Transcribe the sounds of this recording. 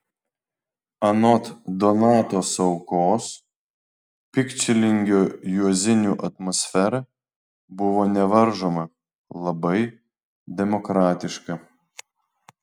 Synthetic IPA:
ɐnɔt̪d̪ɔnɑːt̪oːsɐʊkoːs | pʲɪkt͡ʃʲɛlʲɪŋʲɡʲoːjuɔzʲɪnʲuːʔɐt̪mɔsʲfʲɛɾɐ | bʊʋoːnʲɛʋɐɾʒoːmɐ | lˠɐbɐɪ | d̪ʲɛmɔkɾɑːt̪ʲɪʃkɐ

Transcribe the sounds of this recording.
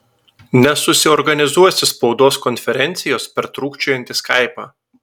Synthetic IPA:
nʲɛsʊsʲɪɔɾɡɐnʲɪzuɔsʲɪspɒʊd̪oːskɔnʲfʲɛɾʲɛnʲt̪sʲɪjoːspʲɛɾt̪ɾuːkʲt͡ʃʲojɛnʲt̪ʲɪskɐˑɪpɑ̰ː

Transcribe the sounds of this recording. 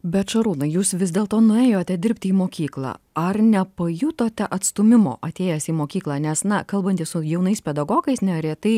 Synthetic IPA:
bʲɛt̪ʃɐɾuːnɐɪjuːsʋʲɪzʲd̪ʲeːlˠt̪oːnʊeːjoːt̪ʲɛd̪ʲɪɾʲpʲt̪ʲɪiːmoːkʲiːklˠɑ̰ː | ɐɾnʲɛpɐjut̪oːt̪ʲɛʔɐt̪st̪ʊmʲɪmo̰ːʔɐt̪ʲeːjɛsʲiːmoːkʲiːklˠɑːnʲɛsnɐkɐlˠbɐnʲt̪ʲɪssʊjɛʊnɐɪspʲɛd̪ɐɡoːɡɐɪsnʲɛɾʲɛt̪ɐɪ

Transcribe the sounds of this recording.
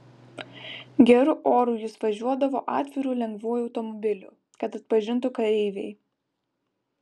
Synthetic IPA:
ɡʲɛɾʊʔoːɾuːjʊsʋɐʒʲuɔd̪ɐʋoːʔɑːt̪ʲʋʲɪɾuːlʲɛŋɡʋuːjɒʊt̪ɔmɔbʲɪlʲṵːˑ | kɐt̪ɐt̪̚pɐʒʲɪnt̪ʊkɐɾʲɛɪʋʲɛ̰ɪ

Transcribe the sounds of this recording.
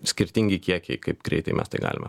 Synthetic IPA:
sʲkʲɪɾʲt̪ʲiŋʲɡʲɪkʲiɛkʲɪkɐɪp̚ɡ̥ɾʲɛ̰ɪt̪ɐɪmʲɛ̰st̪ɐɪɡɑ̰ːlʲɪmɐ

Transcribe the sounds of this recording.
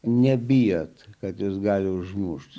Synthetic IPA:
nʲɛbʲijot̪kɐt̪jʊsɡɑːlʲɪʊʒmuʃt̪

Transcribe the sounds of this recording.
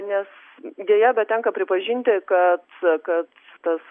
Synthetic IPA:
nʲɛs | d̪ʲiɛjɛbʲɛt̪t̪ʲɛŋkɐpʲɾʲɪpɐʒʲiːnʲt̪ʲɪkɐt̪kɐt̪ | t̪ɐs

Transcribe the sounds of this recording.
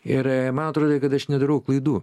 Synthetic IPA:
ɪɾmɐnɐt̪ɾoːd̪okɐt̪ɐʃnʲɛd̪ɐɾɐʊklˠɐɪd̪uː

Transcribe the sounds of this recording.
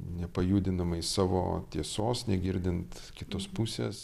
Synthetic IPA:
nʲɛpɐjuːd̪ʲɪnɐmɐɪsɑːʋo̰ːt̪ʲiɛsoːsnʲɛɡʲɪɾʲd̪ʲɪnt̪ | kʲɪt̪oːspusʲḛːs

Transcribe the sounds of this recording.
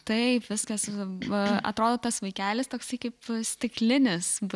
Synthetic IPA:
t̪ɐɪpʋʲɪskɐs | ɐ̰t̪ɾoːd̪oːt̪ɐsʋɐɪkʲæːlʲɪst̪oːksɐɪkɐɪpsʲt̪ʲɪklʲɪnʲɪs

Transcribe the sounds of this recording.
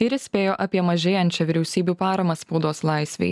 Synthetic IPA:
ɪɾʲɪsʲpʲeːjoːʔɐpʲiɛmɐʒʲeːjɛnʲt͡ʃʲɛʋʲɪɾʲɛʊsʲiːbʲuːpɑːɾɐmɐspɐʊd̪oːslˠɐɪsʲʋʲɛ̰ɪ

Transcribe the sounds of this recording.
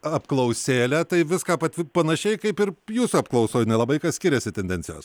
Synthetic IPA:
ɐpklˠɐʊsʲeːlʲɛt̪ɐɪʋʲɪskaːpɐt̪ʲɪpɐnɐʃʲɛɪkɐɪpɪɾjuːsuɐp̚klˠɐʊsoːjnʲɛlˠɐbɐɪkɐsʲkʲɪɾʲɛsʲɪt̪ʲɛnʲd̪ʲɛnʲt͡ssʲɪjo̰ːs

